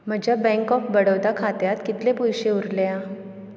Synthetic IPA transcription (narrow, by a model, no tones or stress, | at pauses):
m̤əd͡ʑjabɛ̃ŋkɔfbəɽəwd̪akʰat̪jat̪kit̪lepujɕeuɾlea